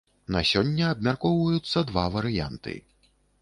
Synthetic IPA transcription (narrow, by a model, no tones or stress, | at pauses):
nɐ̰sʲɔnʲːɐːb̚mʲarkɔwvɐjut̪sːɐd̪vavɐɾɨja̰nt̪ɨ̰